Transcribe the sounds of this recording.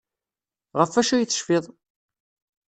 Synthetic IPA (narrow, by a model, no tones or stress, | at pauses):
ʁəfːæʃæjət͡sːə̥ʃfɪðˤ